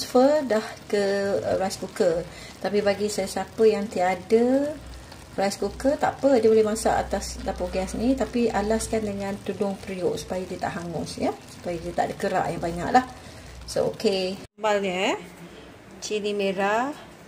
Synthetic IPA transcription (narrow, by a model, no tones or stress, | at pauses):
sfədahkəɾajskukə | t̪apibaɡisajasapəjaŋt̪iadə | rajskukət̪a̰ʔpədiəbolɛhmasa̰ʔa̰t̪asdapoɡɛsnit̪apiʔalaskandəŋãnt̪udʊŋpɾioʔsu̥pajadiət̪a̰ʔɦaŋʊsjasu̥pajadiət̪a̰ʔdəkəɾa̰ʔjaŋbaɲa̰ʔlah | so̰ʔo̰kemalɲə | t͡ʃinimeɾa